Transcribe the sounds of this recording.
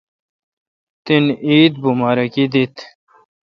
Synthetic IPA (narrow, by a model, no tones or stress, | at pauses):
t̪iniːd̪̚bumaːɾɐkid̪it̪